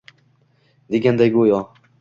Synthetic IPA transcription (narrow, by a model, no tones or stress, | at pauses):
d̪eɡʲænd̪æjɡujɒ